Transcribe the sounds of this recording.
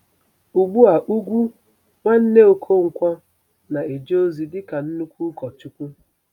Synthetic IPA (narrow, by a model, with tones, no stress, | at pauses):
u˨ɡ͡bu˦a˨ʔu˦ɡʷu˦ | ŋʷa˦n̩˦ne˦o˨kʰo˦ŋ̩˨kʷɔ˦ | na˨e˨d͡ʒe˦o˦zi˨dɪ˦ka˨n̩˦nu˦kʷu˦kɔ˨t͡ʃʊ˦kʷu˦